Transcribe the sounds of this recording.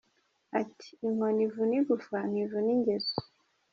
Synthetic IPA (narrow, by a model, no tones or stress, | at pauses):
atʰi̥ːŋonivuniɡufanivuniɲɟezu